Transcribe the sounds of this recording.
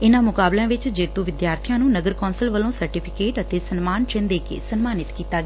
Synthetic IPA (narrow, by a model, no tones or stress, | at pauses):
ɪnãːmʊkaːblãːʋɪt͡ʃd͡ʒeːt̪ũːʋɪd̪jaːɾt̪ʰijãːnũːnəɡəɾkɔːnsəlʋəlõːsəɾʈɪpʰɪkeːʈət̪eːsənmaːnt͡ʃə̃nd̪eːkḛːsənmaːnɪt̪kiːt̪aːɡɛː